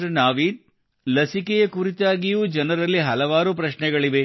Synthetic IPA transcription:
ɐnaːʋiːd̪̚ | lɐsikɛjɐkuɾit̪aːɡijuːd͡ʒɐnɐɾɐlːiɦɐlɐʋaːɾupɾɐʃɳɛɡɐɭiʋe̞

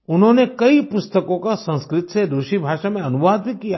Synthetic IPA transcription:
ʊnɦõnekɐipʊst̪əkõkasɐ̃nskɾɪt̪sed̪oːʃibʱaːʃamẽɐnʊʋaːd̪̚bʱikija

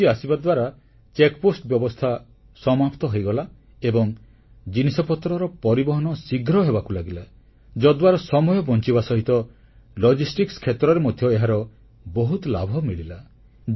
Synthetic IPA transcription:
iasibad̪waɾa | t͡ʃekposʈbjɔbɔst̪ʰa | sɔmapt̪ɔɦojɡɔla | ebɔŋ | d͡ʒinisɔpɔt̪ɾɔɾɔpɔɾibɔɦɔnɔsiɡʱɾɔɦebakulaɡila | d͡ʒɔd̪waɾɔsɔmɔjɔbɔnt͡ʃibasɔɦit̪ɔ | lɔd͡ʒisʈikskʰet̪ɾɔɾemɔd̪ʱjɔeɦaɾɔ | bɔɦut̪la̰bʱɔmilila

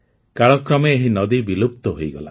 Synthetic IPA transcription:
kaɭɔkɾɔmeːɦinɔd̪ibilupt̪ɔɦojɡɔla̰

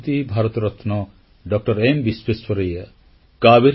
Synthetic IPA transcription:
t̪ibʱaɾɔt̪ɾɔt̪ʰnɔ | ɖɔk̚ʈɔɾembiswesɔɾeja | kabiɾ

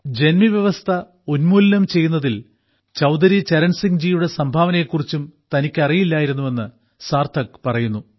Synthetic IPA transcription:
d͡ʑe̞nmiʋjɐʋɐst̪ʰɐ | o̞nmuːlnɐmt͡ɕe̞jːunːɐðil | t͡ɕɐwd̪ɐɾit͡ɕeɾɐɳsiŋd͡ʑijuɽe̞sɐmbʱaːʋɐnɐjekːurit͡ɕːumt̪ɐnikʲːɐrijilːaːjiɾunːuʋe̞nːɨ | saːrt̪ʰɐkpɐrɐjunːu

